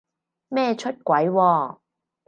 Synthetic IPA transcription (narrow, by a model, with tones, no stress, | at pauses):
mɛː˥t͡ʃʰɵ˥t̚kʷɐ˨˥jwɔː˧